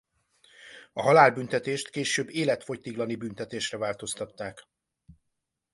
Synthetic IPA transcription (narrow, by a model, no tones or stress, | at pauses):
ɒɦɒlaːlbynt̪ɛt̪eːʃt̪keːʃøːbːeːlɛt̪fo̞c̚t̪iɡlɒnibynt̪ɛt̪eːʃrɛvaːlt̪o̞st̪ɒt̪ːaːk